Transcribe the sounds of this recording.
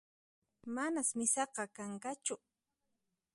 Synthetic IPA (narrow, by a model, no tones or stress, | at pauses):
manasmɪsɑqɑkaŋkat͡ʃʊ